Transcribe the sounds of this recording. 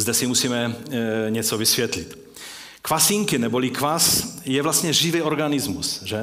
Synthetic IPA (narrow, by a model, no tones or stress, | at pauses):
zd̪ɛsimusiːmɛɲɛt͡sovisvjɛt̪lit̪ | kvasiŋkɪnɛbolikvasjɛvlast̪ɲɛʒivɛoɾɡanizmusʒɛ